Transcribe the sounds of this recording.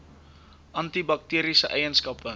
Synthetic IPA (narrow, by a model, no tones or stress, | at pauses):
ʔɐnt̪ibɐk̚tiəɾisəʔɛjənskɐpə